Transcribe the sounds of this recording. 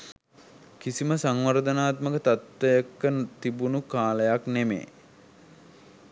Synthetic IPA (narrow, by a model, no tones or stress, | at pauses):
kisiməsaŋʋəɾd̪ənaːt̪məkət̪at̪ʋejəkːət̪ibunukaːləjaknemḛː